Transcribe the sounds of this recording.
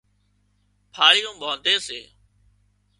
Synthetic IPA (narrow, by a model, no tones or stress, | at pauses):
pʰaːɾijũːɓoːd̪eːsḛː